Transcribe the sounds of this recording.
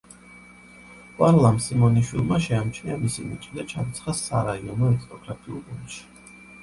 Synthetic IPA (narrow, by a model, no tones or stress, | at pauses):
waɾlˠamsimɔniʃwilˠmaʃɛamt͡ʃʰniamisḭmḭt͡ʃʼid̪at͡ʃʰant̪sʰχasaɾaiɔnɔɛkʰt̪ʼɔɡɾat̪ʼiṵlˠbunʃi̥